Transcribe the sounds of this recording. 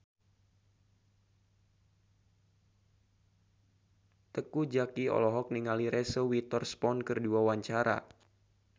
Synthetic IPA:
t̪əkud͡ʒakiɔ̰lɔɦɔk̚niŋaliɾɛsəwit̪ɔrspɔnkərduawaɲt͡ʃaɾa̰

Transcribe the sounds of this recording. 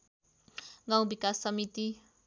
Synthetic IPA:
ɡãw̃bikasːʌmit̪i

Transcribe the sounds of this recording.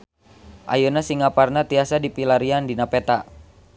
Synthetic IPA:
ʔajunasiŋaparnat̪iasadipilaɾiandinapɛt̪a

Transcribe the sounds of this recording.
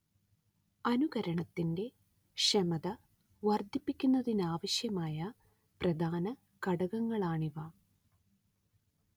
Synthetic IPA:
ɐnuɣɐɾɐɳɐt̪ːinde̞ | ʂɐmɐðɐ | ʋɐrd̪ʱipːikʲːunːɐðinaːʋɐɕjɐmaːjɐ | prɐd̪ʱaːnɐ | kɐɽɐɣɐŋːɐɭaːɳiʋɐ

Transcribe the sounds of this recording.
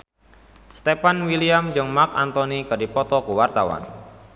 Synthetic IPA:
st̪epanwiliamd͡ʒɨŋmark̚ant̪ɔnikɨrdipɔt̪ɔkuwart̪awa̰n

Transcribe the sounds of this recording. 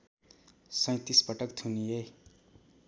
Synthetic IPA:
sʌ̃j̃t̪ispʌʈʌkt̪ʰunije

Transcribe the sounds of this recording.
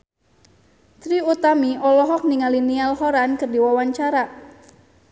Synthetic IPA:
t̪ɾiut̪amiʔɔlɔɦɔk̚niŋalinialɦɔɾankɨrdiwawaɲt͡ʃaɾa

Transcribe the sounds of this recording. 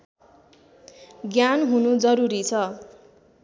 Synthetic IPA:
ɡjanɦunud͡zʌɾuɾit͡sʰʌ

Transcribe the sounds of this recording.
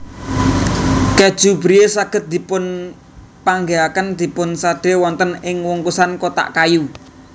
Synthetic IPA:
ked̥ʒ̥ṳbɾijesaɡ̥ə̤t̪̚d̪̥i̤pʊn | paŋɡeakənd̪̥i̤pʊnsaɖ̥e̤wɔnt̪ənɪŋwuŋkusankot̪a̰ʔkaju

